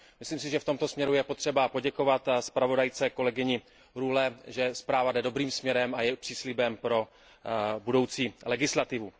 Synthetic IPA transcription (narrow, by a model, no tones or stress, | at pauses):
mɪsliːms̬ɪʒɛft̪o̞mt̪o̞smɲɛɾujɛpo̞t̪r̝̥ɛbapo̞ɟɛko̞vat̪spɾavo̞dajt͡sɛko̞lɛɡɪɲɪ | ɾulɛʒɛspɾaːvadɛdo̞bɾiːmsmɲɛɾɛmajɛpr̥iːslɪbɛmpɾo̞ | budo̞wt͡siːlɛɡɪslat̪ɪvu